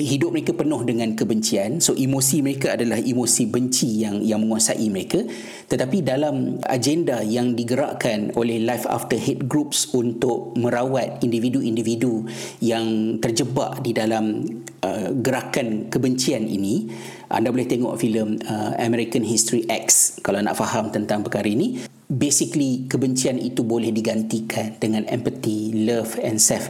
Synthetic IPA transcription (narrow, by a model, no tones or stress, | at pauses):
ɦidʊp̚məɾekapənʊ̃hdəŋãnkəbəɲt͡ʃiansoʔimosiməɾekaadalahʔimosibəɲt͡ʃijaŋjaŋmə̃ŋuasaʔiməɾeka | t̪ət̪apidalama̰d͡ʒendajaŋdiɡəɾa̰ʔkanolɛhlajfa̰ft̪əɦɛt̪̚ɡɾup̚sunt̪ʊʔ̚mə̃ɾawat̪̚individuʔindividu | jaŋt̪ərd͡ʒəba̰ʔdidalam | əɡəɾakankəbəɲt͡ʃianḭnĩ | ʔa̰ndabolɛht̪eŋɔ̰ʔfiləməa̰mɛɾikanɦist̪ɾiʔɛk̚skalawna̰ʔfahamt̪ənt̪aŋpəkaɾainĩ | besiklikəbəɲt͡ʃianḭt̪ubolɛhdiɡant̪ikʰandəŋãnɛ̰mpət̪iləfɛnsɛf